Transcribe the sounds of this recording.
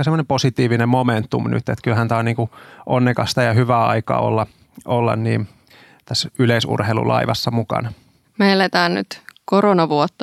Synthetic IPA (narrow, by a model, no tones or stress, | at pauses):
ɑsemonemposit̪iːʋinemmoment̪ːṵmny̰t̪ːet̪kylhænt̪ɑːniːŋkuʔonːekɑst̪ɑjɑhyʋæːɑ̰ikɑ̰ːo̰lːɑ | ʔolːɑ̰nnḭːm | t̪æsːyleisṵrheilṵlɑ̰iʋɑsːɑmukɑ̰nɑ | melːet̪æːnny̰t̪koronɑʋuot̪ːɑ